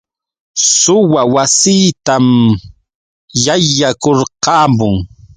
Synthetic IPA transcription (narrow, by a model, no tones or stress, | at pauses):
sʊwawasiːt̪am | jajːakoɾqɑːmʊŋ